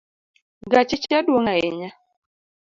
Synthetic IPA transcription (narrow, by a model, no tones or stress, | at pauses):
ɡat͡ʃɪt͡ʃadwoŋaḛɲa